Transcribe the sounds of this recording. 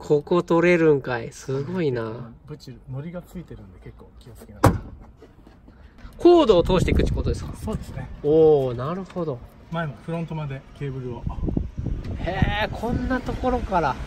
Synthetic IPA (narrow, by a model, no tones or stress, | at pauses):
kʰo̞ko̞t̪o̞ɾe̞ɾɯ̟̃ŋkaisɨɡo̞inabɯ̟t͡ɕino̞ɾʲiɡat͡sɨit̪e̞ɾɯ̟̃nd̪e̞ke̞kːo̞ːkʲiot͡sɨ̥kʲinaa | kʰo̞ːd̪o̞ːt̪o̞ːɕi̥t̪eikɯ̟t͡ɕi̥ko̞ːt̪od̪esɨ̥kasoːd̪esɨneoːnaɾɯ̟ho̞d̪o̞ | maemoɸɯɾont̪o̞mad̪e̞ke̞ːbɯ̟ɾɯ̟o | heːkʰõ̞nːat̪o̞ko̞ɾo̞kaɾa